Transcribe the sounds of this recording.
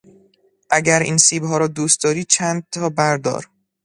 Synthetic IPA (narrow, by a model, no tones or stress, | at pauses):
ʔæɟæɾḭːnsiːbɦɒːɾɒːd̪uːst̪̚d̪ɒːɾiːt͡ʃʰænd̪̚t̪ʰɒːbæɾd̪ɒ̰ːɾ